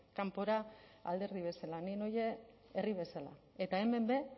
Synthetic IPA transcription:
kampo̞ɾaa̰ld̪e̞ɾðiβ̞e̞salanino̞je̞ː | riβ̞e̞sala̰ | e̞t̪aeme̞mbe̞

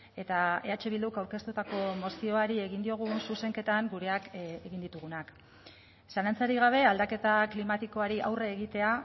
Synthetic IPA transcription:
e̞t̪aeat͡ʃe̞βild̪ukawɾke̞st̪ut̪ako̞mo̞sio̞aɾie̞ɣind̪io̞ɣ̞unsuse̞ŋke̞t̪aŋɡuɾe̞akeɣind̪it̪uɣ̞unak | sanant͡saɾiɣ̞aβ̞e̞ald̪ake̞t̪aklimat̪iko̞aɾiʔa̰wre̞ːɣit̪e̞a

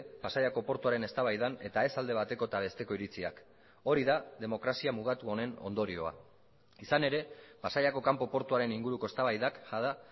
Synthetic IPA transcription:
pasaʎako̞po̞ɾt̪uaɾe̞ne̞st̪aβajðane̞t̪ae̞sald̪e̞β̞at̪e̞ko̞et̪aβ̞e̞st̪e̞ko̞iɾit͡sia̰k | o̞ɾiðaðe̞mo̞kɾasiamuɣ̞at̪uo̞ne̞no̞̰nd̪o̞ɾio̞a̰ | isane̞ɾe̞pasaʎako̞kampo̞po̞ɾt̪uaɾe̞niŋɡuɾuko̞e̞st̪aβajðakʝaða

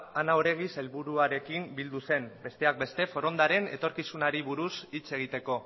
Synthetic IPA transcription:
anaoɾe̞ɣ̞ise̞lβuɾuaɾe̞kimbild̪use̞mbe̞st̪e̞ak̚be̞st̪e̞fo̞ɾo̞nd̪aɾe̞ne̞̰t̪o̞ɾkisunaɾiβ̞uɾusit͡se̞ɣ̞it̪e̞ko̞

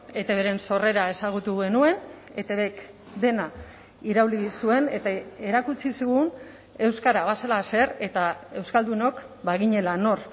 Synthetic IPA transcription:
e̞t̪e̞βeɾe̞nso̞re̞ɾae̞saɣ̞ut̪uɣe̞nue̞ne̞t̪e̞βe̞k | d̪e̞na | iɾawlisue̞ne̞t̪ae̞ɾakut͡sisiɣ̞un | e̞wskaɾaβaselase̞re̞t̪ae̞wskald̪uno̞k | baɣiɲe̞lano̞r

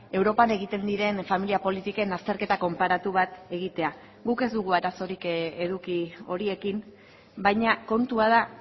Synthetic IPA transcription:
e̞wɾo̞pane̞ɣit̪e̞nd̪iɾe̞nfamiliapo̞lit̪ike̞nast̪e̞ɾke̞t̪ako̞mpaɾat̪uβ̞at̪e̞ɣit̪e̞a | ɡuke̞zd̪uɣuaɾaso̞ɾike̞ðukio̞ɾie̞kim | bajɲako̞nt̪uað̞a

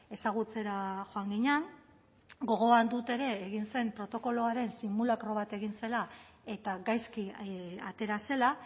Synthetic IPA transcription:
e̞saɣ̞ut͡se̞ɾaʝo̞aŋɡiɲeaŋ | ɡo̞ɣ̞o̞and̪ut̪e̞ɾe̞ːɣ̞inse̞mpɾo̞t̪o̞ko̞lo̞aɾe̞nsimulakɾo̞βat̪e̞ɣ̞inse̞lae̞t̪aɡajskiat̪e̞ɾase̞la

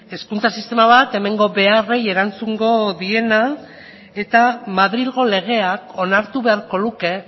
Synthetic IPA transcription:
e̞skunt͡sasist̪e̞maβat̪e̞me̞ŋɡo̞βe̞are̞je̞ɾant͡suŋɡo̞ðie̞na | e̞t̪amaðɾilɣo̞le̞ɣ̞e̞ako̞naɾt̪uβe̞aɾko̞luke̞

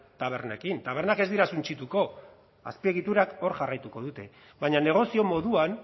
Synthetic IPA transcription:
t̪aβ̞e̞ɾnekint̪aβ̞e̞ɾnake̞zd̪iɾasunt͡ʃit̪uko̞ | a̰spie̞ɣ̞it̪uɾako̞ɾʝarajt̪uko̞ðut̪e̞ | βaɲane̞ɣ̞o̞sio̞mo̞ðuan

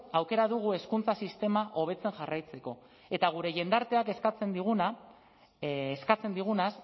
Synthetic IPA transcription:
awke̞ɾaðuɣ̞ue̞skunt͡sasist̪e̞maʔo̞β̞e̞t͡se̞ŋʝarajt͡se̞ko̞ | e̞t̪aɣ̞uɾe̞ʝe̞nd̪aɾt̪e̞ake̞skat͡se̞nd̪iɣ̞una | skat͡se̞nd̪iɣ̞unas

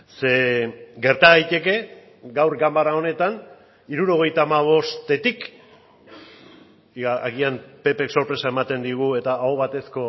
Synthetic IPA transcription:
se̞ɡe̞ɾt̪aɣajt̪e̞ke̞ | ɡawɾɡambaɾao̞ne̞t̪an | iɾuɾo̞ɣ̞e̞jt̪aːmaβ̞o̞st̪e̞t̪ik | aɣiampe̞pe̞kso̞ɾpɾe̞saemat̪e̞nd̪iɣ̞ue̞t̪aʔːoβat̪e̞sko̞

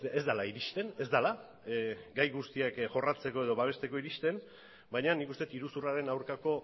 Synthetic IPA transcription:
ezd̪alaiɾiʃt̪e̞ne̞zd̪ala | ɡajɣust̪iakʝo̞rat͡se̞ko̞e̞ð̞oβaβ̞e̞st̪e̞ko̞iɾiʃt̪e̞n | bajɲanikust̪e̞t̪iɾusuraɾe̞nawɾkako̞

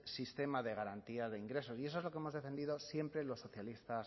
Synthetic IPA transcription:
sist̪e̞maðe̞ɣ̞aɾant̪iazðe̞iŋɡɾe̞s̬o̞sies̬oezlo̞keemo̞zðe̞fe̞nd̪iðo̞sje̞mpɾe̞lo̞sːo̞θjalist̪as

